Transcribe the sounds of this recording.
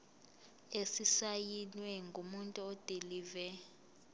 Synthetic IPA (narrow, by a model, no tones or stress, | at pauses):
esisajinwɛŋɡʱumuntʼuɔd̥ʱeliːvɛ